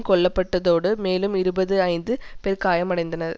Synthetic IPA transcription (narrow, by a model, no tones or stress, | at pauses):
kɔɭːɐpːɐʈːɐðoːɽɯmeːlɯmɪɾɯbɐðɯɐɪnd̪ɯpɛɾkaːjɐmɐɽɐɪnd̪ɐnɐɾ